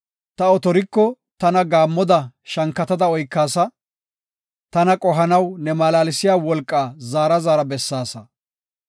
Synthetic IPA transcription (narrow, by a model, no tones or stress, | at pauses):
t̪ɐɔt̪ɔɾɪkːɔ | t̪ɐnɐɡaːmːɔd̪ɐʃɐŋkːɐt̪ɐd̪ɐɔjkːaːsɐ | t̪ɐnɐkʼɔɦɐnɐwnɛmaːlaːlɪsɪjaːwɔlkʼːaːzaːɾɐzaːɾɐbɛsːaːsɐ